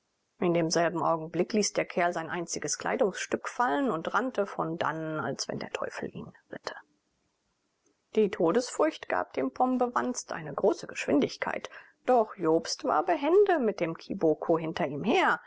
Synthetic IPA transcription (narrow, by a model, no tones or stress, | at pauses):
ʔɪndeːmzɛlbm̩ʔa̰ʊɡŋ̩blɪkliːsd̥eːɐkʰɛɐlzaɪnʔaɪ̃nt͡sɪɡəskʰl̥a̰ɪdʊŋsʃtʏkfalənʊntʁantəfɔ̰nda̰na̰lsv̥ɛ̰ndḛːɐtʰɔ̰ʏfl̩ʔḭːnʁɪtʰə̥ | d̥iːtʰoːdəsfʊɐçtɡ̥a̰ːp̚d̥eːmpʰɔmbəvanstʔa̰ɪnəɡʁoːsəɡəʃv̥ɪndɪçkʰa̰ɪt | d̥ɔχjoːpstv̥a̰ːɐbəɦɛndəmɪt̚d̥eːmkʰibokʰoɦɪntɐiːmɦeːɐ